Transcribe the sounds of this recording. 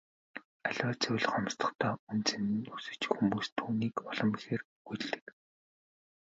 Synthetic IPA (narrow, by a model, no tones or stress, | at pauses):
aɮʲwaːt͡sʰʊw̆ʲɮχɔmst̪ɞ̥̆χt̪ʰɔːunt͡sʰennɵsɵ̆t͡ɕ̆xumuːst̪ʰːuːniːkɔɮɞ̆mixeːr | ɡuɮt̪ɘ̥̆k